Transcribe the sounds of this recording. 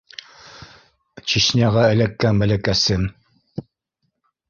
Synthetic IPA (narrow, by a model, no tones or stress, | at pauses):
t͡ɕiɕnʲæʁɑɘ̆lækːænbælækæsɘn